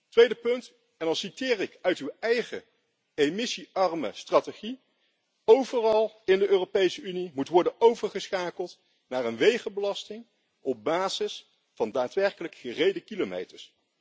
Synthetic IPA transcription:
tʋejdəpɵnt | ɛndɑnsitɪːrɪkœɥtywɛjχə | emɪsiɑrmə̰straːteχi | owvərɑlˠ | ɪndəʔøːropejsəynimutʋɔɹdənowvəɹχəsχaːkəlˠt | naːrənʋejχəbəlɑstɪŋ | ɔb̚baːzɪs | fɑndaːtʋɛɹkələkχərejdəkilomḛjtəɹs

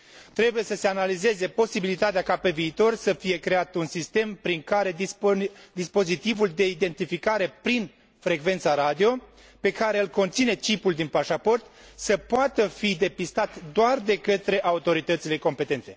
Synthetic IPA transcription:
t̪ɾe̞buje̞səse̞analize̞ze̞po̞sibilit̪at̪eakape̞viːt̪o̞rsəfije̞kɾe̞at̪unsist̪e̞mpɾiŋkaɾe̞ | d̪ispo̞zit̪ivuld̪e̞id̪e̞nt̪ifikaɾe̞pɾin | fɾe̞ɡve̞nt̪saɾad̪io̞ | pe̞kaɾe̞ɨlko̞nt̪sine̞t͡ʃipuld̪inpaʃapo̞rt̪səpoat̪əfid̪e̞pist̪at̪d̪oard̪e̞kət̪ɾe̞ʔaut̪o̞ɾit̪ət̪sile̞ko̞mpe̞t̪e̞nt̪e̞

